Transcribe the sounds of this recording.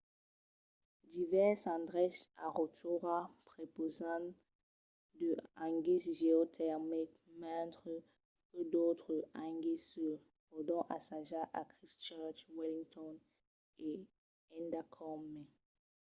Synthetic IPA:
d̪ivɛʁsɑ̃d̪ʁɛsaʁot̪ʰuʁapχepozɑ̃ | d̪əãŋɡisʒeot̪ʰɛʁmik | mɛ̃t̪ʁə | kəd̪ot̪χəãŋɡisə | ɔd̪ɔ̃ʔasaʒaʔakχist͡ʃœʁt͡ʃwilĩŋt̪ɔn | e | ɛ̃nd̪akʰɔme

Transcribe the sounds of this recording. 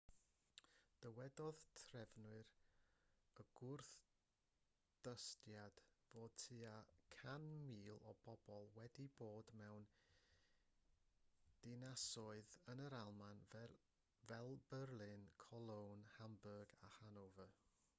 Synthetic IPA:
d̥əwɛdɔðtʰrɛvnwɨr | əɡ̥ʊrθ | d̥əstjad̥voːd̥̚tʰɨakʰanmiːlˠɔ̰b̥ɔb̥ɔlˠwɛdiboːdmɛwn | d̥ɪnasɔɨðənəɾalˠman | vɛlˠbərlˠɪnkʰɔlˠownhambərɡahanowvə

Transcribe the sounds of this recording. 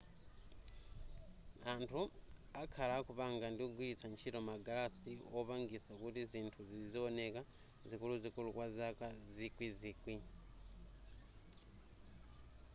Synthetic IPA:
antʰuakʰalakuβaŋɡandiuɡwiit͡sʰant͡ʃiɾomaɡalastioβaːŋɡisakutiziːntʰuzizioneka | zikuluzikulukwazakazikwizikwi

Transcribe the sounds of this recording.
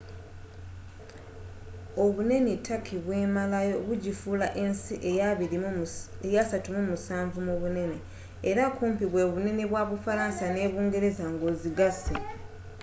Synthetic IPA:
o̞βune̞nitʰakʰiβwe̞ːmalajo̞βuɟifulaʔe̞nsiʔejaβiɾiejasatumumusaːɱvumuβune̞ne̞ː | ɾakuːmpiβwe̞ːβune̞ne̞βwaːβufaɾaːnsane̞ːβuːŋɡe̞ɾe̞zaŋɡoːziɡase

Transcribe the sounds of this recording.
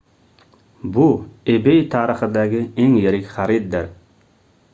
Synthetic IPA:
buebejt̪ʰɑːɾəχɨd̪aɡʲɪeŋjeɾɪkʲχæɾid̪̚ːɪɾ

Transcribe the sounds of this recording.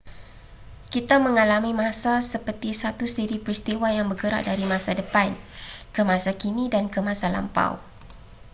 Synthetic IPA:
kit̪amə̃ŋalamĩmãsasəpərt̪isat̪usiɾipɾist̪iwajaŋbəɡəɾa̰ʔ̚daɾimãsadəpankəmãsakinĩdankəmãsala̰mpa̰w

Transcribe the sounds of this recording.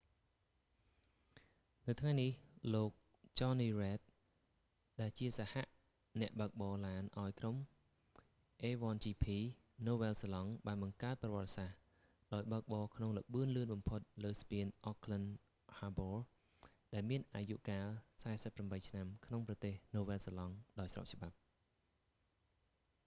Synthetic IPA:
nɨwt̪ʰŋajnihloːk̚ | t͡ɕɑːniːrɛːt̪̚ | ɗaɛlt͡ɕiəsahaʔ | nɛ̆əʔɓək̚ɓɑːlaːnʔaɔjkrom | ʔeːʋɑːnt͡ɕiːpʰiː | noːʋɛːlsəlɑŋɓaːnɓɑŋkaət̪̚prɑʋɔ̆ət̪̚sah | ɗaɔjɓaək̚ɓɑːkʰnoŋlə̆ɓɨənlɨənɓɑmpʰot̪̚ləːspiənʔokʰlən | haːboːl | ɗaɛlmiənʔaːjuʔkaːlsaɛsəpːramɓəjt͡ɕʰnamkʰnoŋprɑt̪eːhnoːʋeːlsalɑŋɗaɔjsro̰p̚t͡ɕ̆ɓap̚

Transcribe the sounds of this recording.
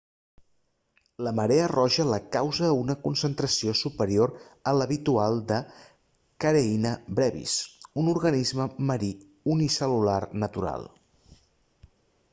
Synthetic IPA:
ləməɾeərɔʒələkawzəunəkunsənt̪ɾəsiosupəɾioɾələβit̪ualˠd̪ə | kəɾeinəbɾɛβḭsunuɾɣənizməməɾi | unisəlularnət̪uɾa̰lˠ

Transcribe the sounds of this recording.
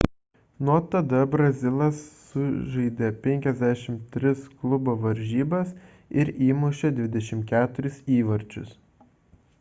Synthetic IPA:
nuɔt̪ɐd̪ɐbɾɐzʲɪlˠɐsːʊʒɐɪd̪ʲeːpʲɛŋʲkʲɛzʲd̪ʲæːʃʲɪmt̪ʲɾʲɪsklˠʊboʋɐɾʲʒʲiːbɐs | ɪɾiːmʊʃʲɛd̪ʲʋʲɪd̪ʲɛʃʲɪmkʲæːt̪ʊɾʲɪsiːʋɐɾʲt͡ʃʲʊ̰s

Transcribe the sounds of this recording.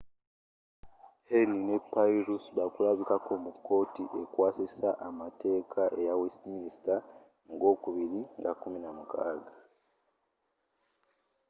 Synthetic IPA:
henine̞paiɾusβakuɾaβikakomuko̞ːtiʔe̞kwaːsisaʔamate̞ːkʰaʔe̞jawesmiisi̥ta | ŋɡo̞ːkuβiɾiŋɡakuminamuka̰ːɡa

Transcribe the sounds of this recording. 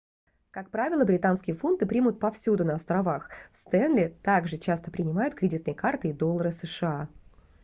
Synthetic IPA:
kak̚pɾavʲɪlˠəbɾʲɪt̪anskʲɪjəfunt̪ɨpɾʲimʊt̪̚pɐfsʲud̪ʊnəɐst̪ɾɐvaxfst̪ɛnlʲɪt̪aɡʐɨt͡ɕast̪ə̥pɾʲɪnʲɪmajʊt̪̚kɾʲɪdʲit̪nəjəkart̪ɨid̪o̞lˠːəɾɨsəʂɨa

